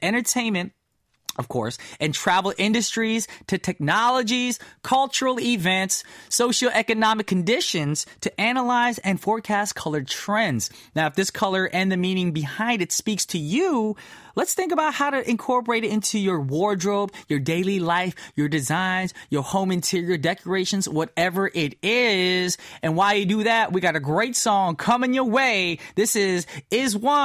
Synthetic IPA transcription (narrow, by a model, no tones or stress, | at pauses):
ʔɛ̃ɾ̃ə˞tʰẽɪ̃nmɨ̃nt̚ | ʌv̥kʰɔ̰ɹsɨ̃ntʰɹ̥ævl̩ˠʔɪ̃ndɨstɹ̥iz̥tʰɨtʰɛk̚nɑlˠəd͡ʒiz̥kʰʌlˠt͡ʃə˞l̩ˠɪvɛ̃ntsoʊʃl̩ˠʔɛkɨnɑmɨkʰːɨn̩dɪʃɨ̃nz̥tʰɨʔænəlaɪzɨ̃nfɔɹkʰæstkʰʌlˠə˞tʰɹ̥ɛ̃ndz̥naʊɨfðɪskʰʌlˠə˞ʔɛ̃nðɨmĩnɪ̃ŋbɨhãɪ̃ndɨtspikstʰɨju | lətsθɪ̃ŋkəbaʊt̚haʊɾɨʔɨ̃nkʰɔɹpə˞eɪɾɨɾɪ̃ntʰʉjə˞wɔɹdɹoʊbjə˞deɪlˠilaɪfjə˞dɨzãɪ̃nzjə˞hõʊ̃mɨ̃ntʰɪɹiə˞dɛkə˞eɪʃɨ̃n̩zwʌɾɛvə˞ʔɪɾɪzɨ̃nwaɪjɨdɨðæt̚wiɡɑɾɨɡɹeɪtsɔ̃ŋkʰʌ̃mɨ̃njə˞weɪðɪsɪzɪzwʌ̃